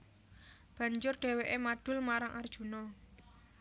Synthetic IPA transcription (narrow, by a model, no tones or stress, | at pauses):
b̥a̤ɲd͡ʒʊrɖ̪̥e̤weʔemaɖ̥ʊ̤lmaɾaŋʔard̥ʒ̥ṳnɔ